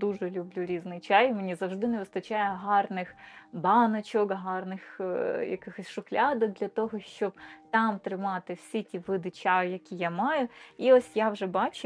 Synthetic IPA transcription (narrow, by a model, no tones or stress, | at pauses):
d̪uʒɛlʲʊblʲuɾʲiznɪjt͡ʃɑjmenʲizɐwʐd̪ɪnɛʋɪst̪ɐt͡ʃɑjɛɦɑrnɪxbɑnɐt͡ʃɔkɦɑrnɪxjɐ̰kɪxɔsʲʃʊxlʲɑd̪ɔk̚d̪lʲɐt̪ɔɦɔʃt͡ʃɔb̚t̪ɑmt̪ɾɪmɑt̪ɪwsʲitʲiʋɪd̪ɪt͡ʃɑjɐkʲijamɑjʊiɔsʲjawʒɛbɑt͡ʃʊ